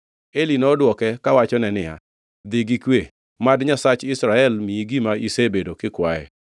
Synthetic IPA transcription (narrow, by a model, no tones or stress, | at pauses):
elinɔdwɔkɛkawat͡ʃɔnɛnɪja̰ | d̪ɪɡikwe | madɲasat͡ʃɪsɾaɛlmiiɡimaisebedokɪkwajɛ̰